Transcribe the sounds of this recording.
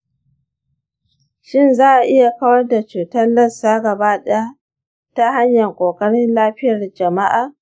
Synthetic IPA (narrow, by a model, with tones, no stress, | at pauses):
ʃɪ˦˨nzaː˦ʔa˨ʔɪ˦ja˨kɐ˦wɐ˦rda˨t͡ʃuː˨tɐ˦nlɐ˦saː˦ɡɐ˨baː˦ɗɛ˦ja˦ | ta˦ɦa˦ɲjɐ˨ŋkʷʼoː˨kʼɐ˦ɽɪ˦nlaː˦ɸɪ˦jɐ˨rd͡ʒɐ˨ma˦ʔaː˨